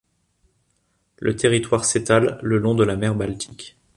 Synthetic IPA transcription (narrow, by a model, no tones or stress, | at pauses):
lʔə̰t̪ʰeʁit̪waʁset̪alːəlɔ̃d̪əlamɛʁbalt̪ʰi̥kʲ